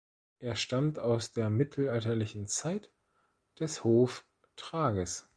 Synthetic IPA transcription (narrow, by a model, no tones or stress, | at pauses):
ʔeːɐʃtamtaʊsd̥eːɐmɪtʰl̩altɐlɪçn̩t͡saɪt | d̥ɛshoːf | tʁ̥aːɡəs